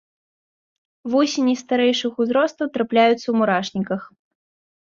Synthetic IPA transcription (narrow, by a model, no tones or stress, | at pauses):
vɔsʲenʲist̪aɾɛjʂɨxuzɾɔst̪ɐwt̪ɾaplʲajut̪sːɐwmuɾaʂnʲikɐx